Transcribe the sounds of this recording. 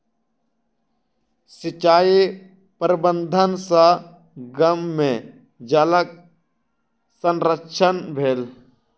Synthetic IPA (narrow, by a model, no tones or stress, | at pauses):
sɪt͡ʃaːi | pəɾbə̃nd̪ʱənsã | ɡəmːẽ | d͡ʒələk̚ | sənɾəkt͡ʃʰənbʱeːl